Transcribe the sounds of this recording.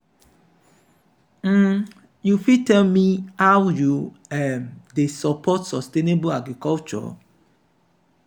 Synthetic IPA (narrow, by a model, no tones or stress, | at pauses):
m̩ | jufitɛlmihawju | ɛmdesɔpʰɔtsɔstenebuaɡɾikɔlt͡ʃɔ̰